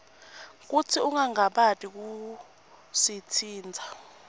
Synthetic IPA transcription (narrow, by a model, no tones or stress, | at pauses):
k̬ut͡sʰiuŋaŋaɓatʼik̬u | sit͡sʰiːnd͡zʱa